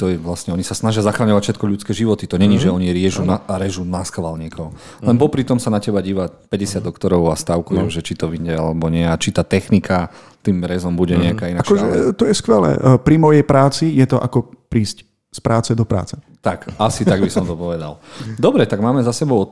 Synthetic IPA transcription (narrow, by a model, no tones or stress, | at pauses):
t̪ɔjɛʋlasɲɛɔɲisasnaʒɪazaxɾaɲɔʋacfʃɛt̪kɔʎut͡skɛʒiʋɔt̪it̪ɔɲɛɲiʒɛɔɲiɾɪɛʒunaɾɛʒunaskaʋalɲikʰɔɦɔ | lɛnpɔpɾit̪ɔmsanacɛbaɟiːʋapɛɟɛsɪad̪ɔkt̪ɔɾɔʊast̪aʊkujuʒɛt͡ʃit̪ɔʋiɲɟɛalɛbɔɲɪɛat͡ʃit̪aːt̪ɛxnikʰa | t̪iːmɾɛzɔmbuɟɛɲɛakaːinat͡ʃkɔʒɛt̪ɔjɛskʋɛlɛ̰ːpɾimɔjɛjpɾaːt͡sijɛt̪ɔʔa̰kɔpɾiːsc | spɾʔaːt͡sɛd̪ɔpɾa̰ːt͡sɛ̥ | t̪akasit̪aɡbisɔɔmt̪ɔpɔʋɛd̪a̰ld̪ɔbɾɛt̪aɡmaːmɛzasɛbɔʊɔ